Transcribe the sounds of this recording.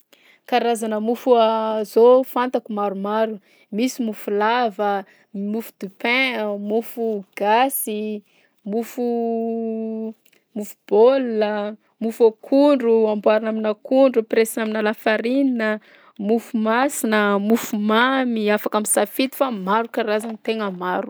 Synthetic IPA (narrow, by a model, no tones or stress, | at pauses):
kaɾazanəmufuazofant̪akumaɾumaɾu | misimufulavə | mufu̥d̪̥upɛ̃mufuɡ̥asi | mufu | mufub̥olə | mufakʰuɳɖ͡ʐuambwaɾinaminakuɳɖ͡ʐupɾesinaminalafaɾininə | mufumasinəmufumamiafakaminsafit̪i̥famaɾukaɾazanit̪eŋəmaɾu